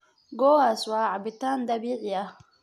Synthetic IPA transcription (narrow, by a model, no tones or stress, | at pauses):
ɡɔwaswaʕabit̪and̪abiʕija